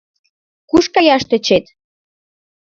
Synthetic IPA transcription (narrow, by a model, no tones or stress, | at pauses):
kuʃkɑjɑʃt̪ĕt͡ɕet̪